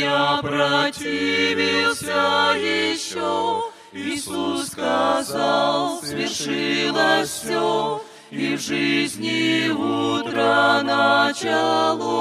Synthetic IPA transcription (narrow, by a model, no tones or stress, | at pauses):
apɾɐtʲivʲɪlˠsʲəlʲɪɕo | ɪsusːkazalˠsvʲɪrʂɨlˠəsʲo | ivʐɨzʲnʲɪut̪ɾənɐt͡ɕalˠu